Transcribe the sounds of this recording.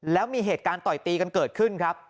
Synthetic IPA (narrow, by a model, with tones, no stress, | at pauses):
lɛː˦˥wmiː˧ɦeː˨˩t̪̚kaː˧nt̪ɔ˨˩jt̪iː˧ka˧nkɤː˨˩t̪̚kʰɯ˥˩nkʰɾa˦˥p̚